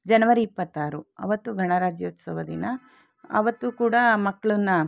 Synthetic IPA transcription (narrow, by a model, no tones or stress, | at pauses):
d͡ʒɐnɐʋɐɾiːpːɐt̪ːaːɾuɐ̰ʋɐt̪ːuɡʱɐɳɐɾaːd͡ʒjɐut̪sɐʋɐd̪ḭnɐ | ɐ̰ʋɐt̪ːukuːɽɐmɐkːɐɭunːɐ